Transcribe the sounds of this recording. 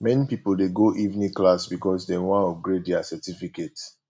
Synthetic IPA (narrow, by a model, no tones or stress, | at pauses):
mɛnipipoldeɡoʔivnĩklasbikɔsdɛwãnɔfɡɹedɛasɛtifiket